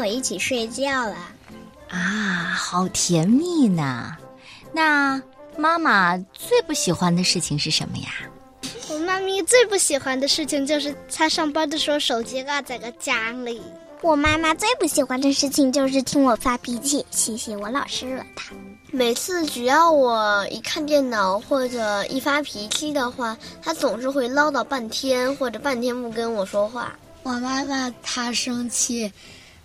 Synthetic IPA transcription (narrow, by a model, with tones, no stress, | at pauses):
wɔ˨˩i˥˩t͡ɕʰi˨˩ʂwe˥˧ɪt͡ɕjɑ˥˩ʊlə˩ | a˥˩xɑ˨˩ʊt̪ʰjɛ˧˥nmi˥˩nə̰˩ | na˥˧ma˥ma˨t͡swe˥˧ɪpu˥˩ɕi˨˩xwa˥nd̪ə˨ʂɻ̩˥˩t͡ɕʰi˨˩ŋʂɻ̩˥˩ʂə̰˧˥nmə̰˧ja̰˩ | wɔ˨˩ma˥mi˥˧t͡swe˥˧ɪpu˥˩ɕi˨˩xwa˥nd̪ə˧ʂɻ̩˥˩t͡ɕʰi˨˩ŋt͡ɕjo˥˧ʊʂɻ̩˥˩t̪ʰa˥ʂɑ˥˩ŋpɑ˥d̪ə˨˧ʂwɔ˥ʂo˨˩ʊt͡ɕi˧˥ɡa˧˩t͡sa˨˩ɪɡə˧t͡ɕja˥li˨˩˦ | wɔ˨˩ma˥ma˧t͡swe˥˧ɪpu˥˩ɕi˨˩xwa˧˥nd̪ə˨˧ʂɻ̩˥˩t͡ɕʰi˨˩ŋt͡ɕjo˥˧ʊʂ̬ɻ̩˥˩t̪ʰi˥ŋwɔ˨˩fa˥pi˧˥t͡ɕʰi˥˩ɕʰi˧˥ɕi˧˥wɔ˧˥˦lɑ˨˩ʊʂɻ̩˥ɻɤ˥˩t̪ʰḁ˥ | me˨˩ɪt͡sʰɹ̩˥˧t͡ɕy˨˩jɑ˥˩ʊwɔ˨˩˦ḭ˨˩kʰa˥˧nt̪jɛ˥˩nnɑ˨˩˦ʊxwɔ˥˩ʈ͡ʂɤ˨˩ḭ˥˩fa˥pʰi˧˥t͡ɕʰi˥d̪ə˨xwa˥˩t̪ʰa˥t͡sʊ˨˩ŋʂɻ̩˥˧xwe˥˩ɪlɑ˥ʊt̪ɑ˥˧ʊpa˥˩nt̪ʰjɛ˥nxwɔ˥˩ʈ͡ʂɤ˨˩pa˥˩nt̪ʰjɛ˥npu˥˩kə˥nwɔ˨˩ʂwɔ˥xwa̰˥˩ | wɔ˨˩ma˥ma˧t̪ʰa˥ʂɤ˥ŋt͡ɕʰi˥˩